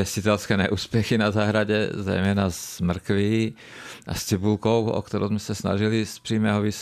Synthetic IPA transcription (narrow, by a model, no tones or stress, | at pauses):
ɛscit̪ɛlskɛːɲɛʔuːspɛxinazaːɦɾaɟɛ̰zɛ̰jmɛːnazmr̩kʋiː | a̰st͡sibulkɔʊɔ̰kt̪ɔɾɔ̰ʊzmɛsasna̰ʒilispɾiːmɛːɦɔʋis